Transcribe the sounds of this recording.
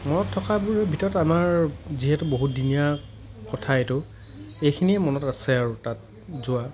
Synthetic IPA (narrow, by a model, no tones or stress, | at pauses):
mɔnɔtʰːɔkabuɹɛbʱitɔɹɔtamaɹziɦɛtʊboɦut̚dinija | kɔtʰaetʊ | ejkʰiniɛmɔnɔtasɛaɹʊtat̚ | zʊa